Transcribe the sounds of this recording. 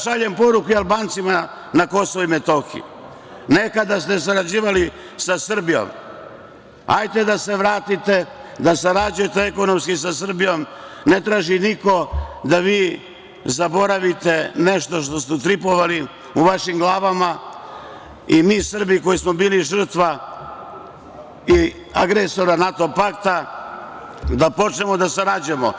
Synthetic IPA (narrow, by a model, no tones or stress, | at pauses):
ʃaʎempo̞ɾukuialˠbaːnt̪sima | nako̞soʋimet̪o̞xḭḭ | ne̞kad̪ast̪esaɾad͡ʑiːʋali | sasr̩bijo̰m | a̰jt̪e̞d̪ase̞ʋɾaːt̪it̪ed̪asaɾad͡ʑuje̞t̪eeko̞nomskis̬asr̩bijo̞mne̞t̪ɾaːʒiniko̞d̪aʋiː | zabo̞ɾaʋit̪e̞neʃt̪o̞ʃt̪o̞st̪ɛt̪ɾipoʋali | uʋaʃimɡlˠaːʋama | imiːsr̩biko̞jismobiːliʒr̩t̪ʋa | i | aɡɾeso̞ɾanat̪o̞pakt̪a | d̪apo̞t͡ʃnemod̪asaɾad͡ʑujemo